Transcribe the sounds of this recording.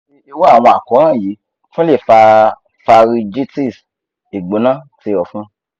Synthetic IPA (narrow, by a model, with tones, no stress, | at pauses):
e˧wo˦a˦˨w̃ɔ̃˧a˨kɔ˨˦ɾ̃ã˦˨ji˨˦ | fũ˦le˦˨fa˧ | fa˧ɾi˧d͡ʒi˦ti˦˨s | i˨ɡ͡bo˨˦nã˦ti˧˦˨ɔ˨fũ˦